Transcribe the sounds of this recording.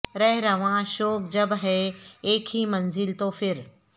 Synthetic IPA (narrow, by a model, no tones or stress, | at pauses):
ɾɐɦɪɾɐɦʋãʃɔːk̚d͡ʑɐbɦɛeːkʰɦiːmɐnzɪlt̪oːfɪɾ